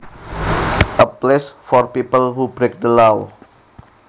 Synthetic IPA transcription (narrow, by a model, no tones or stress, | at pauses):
ʔəplesfɔrpipəlhubɾek̚dəlaw